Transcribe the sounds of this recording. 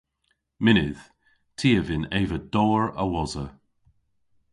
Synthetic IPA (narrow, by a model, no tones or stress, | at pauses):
mɪnɪð̥ | tʰiːəvɪneːvədɔːɹə̰wɔzə